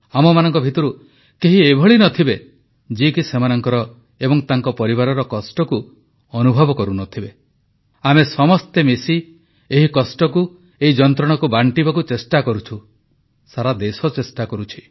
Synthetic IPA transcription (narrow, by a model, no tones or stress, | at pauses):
amɔmanɔŋkɔbʱit̪ɔɾu | keɦiebʱɔɭinɔt̪ʰibe | d͡ʒikisemanɔŋkɔɾɔ | ebɔŋt̪aŋkɔpɔɾibaɾɔɾɔkɔsʈɔku | ɔnubʱɔbɔkɔɾunɔt̪ʰibe | amesɔmɔst̪emesi | eɦikɔsʈɔku | eɦid͡ʒɔnt̪ɾɔɽ̃ɔkubaɳʈibakut͡ʃesʈakɔɾut͡ʃʰu | saɾad̪esɔt͡ʃesʈakɔɾut͡ʃʰi̥